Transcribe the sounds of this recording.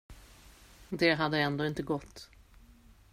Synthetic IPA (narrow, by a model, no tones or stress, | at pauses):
d̪ɛɦad̪ːəɛnd̪oːɪnt̪əɡɔt̪ː